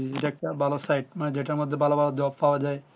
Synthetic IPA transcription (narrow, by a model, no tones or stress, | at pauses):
ieʈaɛk̚ʈabʱalosajʈ̚maned͡ʑeʈaɾmod̪ʱːebʱalobʱalod̪oppaoad͡ʑae